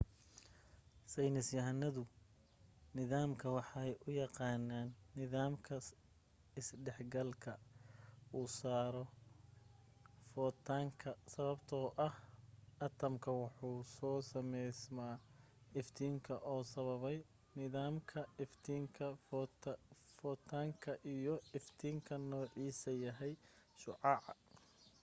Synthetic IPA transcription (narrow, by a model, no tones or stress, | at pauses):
sɛjnɪsjɐɦnɐðʊ | nɪðaːmkʰɐwɑħɑjʊjɑqɑːnaːnːɪðaːmkʰɐ | ɪsɖɛħɡɐlkʰɐ | uːsaːɾɔ | fɔːt̪ʰːaːŋkʰɐsɐβɐbt̪ʰɔːʔɐhɐt̪ʰɐmkʰɐwɑħuːsɔːsɐmɛjsmaː | ɪft̪ʰiːŋkʰɐʔɔːsɐβɐβɛj | nɪðaːmkʰɐɪft̪ʰiːŋkʰɐ | fɔːt̪ʰaːŋkʰɐʔijɔɪft̪ʰiːŋkʰɐnɔːʕiːsɐjɐɦɛj | ʃʊʕɑʕɑ